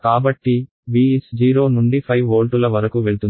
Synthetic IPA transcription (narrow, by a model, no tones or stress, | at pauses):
kaːbɐʈːi | ʋiːesd͡ʒiːɾo̞ːnuɳɖipʰɐjʋoːlʈulɐʋɐɾɐkuʋeɭut̪un